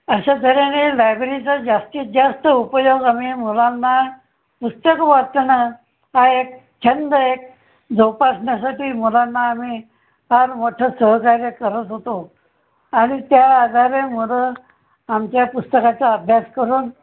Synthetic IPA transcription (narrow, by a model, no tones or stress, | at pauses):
əɕat̪ʰəɾenelajbɾit͡sad͡ʑast̪iːd͡ʑast̪əupəjoɡamiːmulanːa | pust̪əkʋat̪na | ɦaek̚ | t͡ɕʰənd̪əek̚ | d͡zowpasɳjasaʈiːmulanːaːmiː | ɦaɾmoʈʰəsəɦəkaɾjəkəɾət̪ɦot̪o | aɽ̃it̪jaːd̪ʱaɾemulə | amt͡ɕjapust̪əkat͡saəbʱjaskəɾuːn